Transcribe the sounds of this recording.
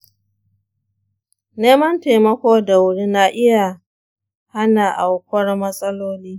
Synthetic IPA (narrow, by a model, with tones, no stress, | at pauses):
neː˦mɐ˦nta˨mɐ˦kʷoː˦da˨wʊ˦ɽi˦na˦ʔɪ˦ja˨ | ha˦na˨ʔa˨wkʷɐ˦rmɐ˦sʼɐ˦loː˦niː˦